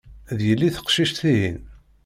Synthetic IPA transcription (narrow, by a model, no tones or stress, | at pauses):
ðjəlːiθə̥qʃiʃt̪θiɦḭn